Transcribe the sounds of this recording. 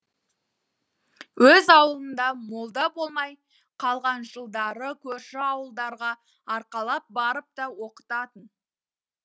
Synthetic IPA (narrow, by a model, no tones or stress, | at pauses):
wɵzɑwəlˠənd̪ɑmolˠd̪ɑbo̞lˠmɑj | qʰɑlˠʁɑnʒəlˠd̪ɑɾəkʲʰɵɾʃɪɑwəlˠd̪ɑɾʁɑ | ɑɾqɑlˠɑp̚bɑɾəp̚t̪ɑwo̞qə̥t̪ɑt̪ən